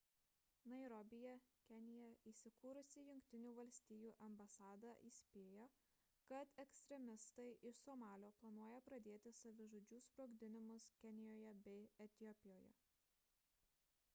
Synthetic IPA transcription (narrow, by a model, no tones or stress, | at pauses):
nɐɪɾɔbʲɪjɛkʲɛnʲɪjɛiːsʲɪkuːɾʊsʲɪjʊŋʲkʲt̪ʲɪnʲuːʋɐlʲsʲt̪ʲiːjuːʔɐmbɐsɑːd̪ɑʔiːsʲpʲeːjoː | kɐt̪ɛksʲt̪ʲɾʲɛmʲɪst̪ɐɪʔɪʃsomɑːlʲoːplˠɐnuɔjɛpɾɐd̪ʲeːt̪ʲɪsɐʋʲɪʒoːd͡ʒʲuːspɾoːɡd̪ʲɪnʲɪmʊskʲɛnʲɪjoːjɛbʲɛɪɛt̪ʲɪɔpʲɪjoːjɛ̰